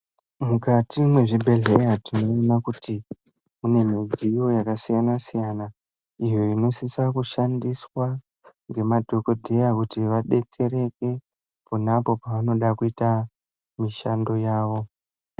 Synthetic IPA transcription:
mukatimwe̞ʐibʱe̞ɮejatino̞imakuti | une̞mid͡zijo̞jakasijanasijana | ijo̞ino̞sisakuʃandiswa | ŋɡe̞madʱo̞ko̞dʱejakutiʋaɗe̞t͡se̞ɾe̞ke̞ | punapo̞paʋano̞ɗakuita | miʃando̞jaːʋo̞

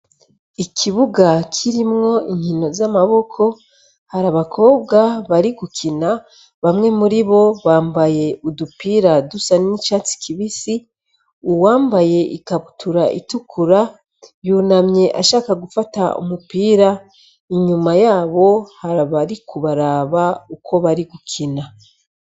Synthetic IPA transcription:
ikʰiβuɡakʰiɾimŋo̞iɲhino̞zamaβo̞kʰo̞ | haɾaβakʰo̞ːb̚ɡaβaɾiɡukʰina | βamŋe̞muɾiβo̞βaːmbaje̞udupiːɾadusanit͡ʃaːt͡si̥kʰiβisi | uwaːmbaje̞ʔikaβutuɾaʔḭtukʰuɾa | juːnamɲe̞ʔaʃaːkaɡufataṵmupiːɾa | iɲumajaːβo̞haɾaβaɾikʰuβaɾaːβaukʰo̞βaɾiɡukʰina

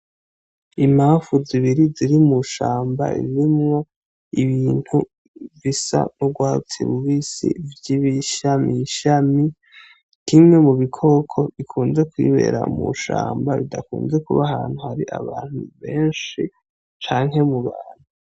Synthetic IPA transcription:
im̥aːɱfuziβiɾiziɾimuʃaːmba̰ḭɾimŋo̞ | iβiːn̥hu | visa̰nuɡwaːut͡sḭβuβisḭvjiβiʃamiʃami | kʰimŋe̞muβikʰo̞kʰo̞ʔikʰuːnze̞kwiːβe̞̰ːɾa̰mṵʃa̰ːmbaβidakuːnze̞kuβahaːn̥huhaɾiʔa̰βaːn̥huβe̞ːnʃi | t͡ʃaːŋhe̞muβaːn̥hu

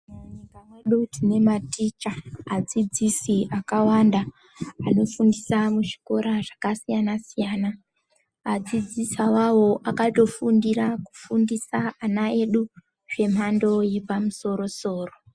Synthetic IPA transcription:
muɲikajeɗutine̞matit͡ʃaːd͡zid͡zisiʔakawandaː | no̞fundisamuʐiko̞ɾaʐ̥akasijanasijaːnaː | d͡zid͡zisawawo̞ʔakato̞fundiɾaku̥fundisaanae̞ɗu | ʐ̥e̞m̤ando̞jipamuso̞ɾo̞so̞ːro̞

